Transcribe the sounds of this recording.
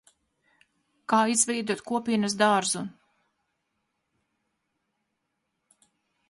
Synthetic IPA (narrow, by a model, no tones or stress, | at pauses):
kaːizvɛjd̪uɔt̪kuɔpiːnɐsd̪aɾzun